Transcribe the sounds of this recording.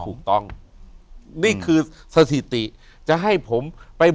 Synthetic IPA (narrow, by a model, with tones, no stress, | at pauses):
t̪ʰuː˨˩k̚t̪ɔ˥˩ŋ | niː˥˩kʰɯː˧sa˧t̪ʰi˨˩t̪i˨˩ʔ | t͡ɕa˨˩ɦa˥˩jpʰo˩˦mpa˧jb